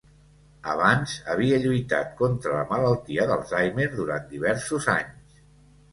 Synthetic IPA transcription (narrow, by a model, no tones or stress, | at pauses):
ə̰β̞anzəβ̞iəʎujt̪a̰t̪̚kont̪ɾələmələlˠt̪iəðəlˠzajmeɾðuɾant̪d̪iβ̞ɛɾsuzaɲs